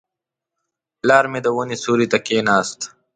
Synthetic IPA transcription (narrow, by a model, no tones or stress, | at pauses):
laːɾmed̪əwunisuːɾit̪akeːnaːst̪